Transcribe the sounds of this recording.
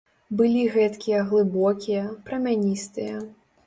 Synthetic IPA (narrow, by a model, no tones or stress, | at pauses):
bɨlʲiɣɛt̪kʲijɐɣlˠɨbɔkʲijɐpɾɐmʲanʲist̪ɨjɐ